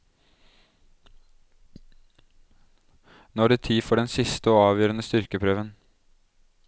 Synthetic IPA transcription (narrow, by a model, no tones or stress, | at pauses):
nɔːɖeːt̪ʰiːfɔɖɛnsɪst̪əoːɑːʋjøːɾənəst̪ʏɾkəpʰɾøːʋən